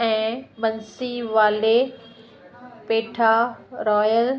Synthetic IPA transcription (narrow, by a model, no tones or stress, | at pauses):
ɛ̃ːɓɐnsiʋaːle | peːʈʰaɾɔːjəl